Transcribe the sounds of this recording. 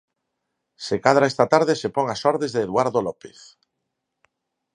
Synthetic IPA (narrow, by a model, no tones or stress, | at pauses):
sekaðɾaest̪at̪aɾðesepɔŋasɔɾðezðeːðwaɾðolɔpeθ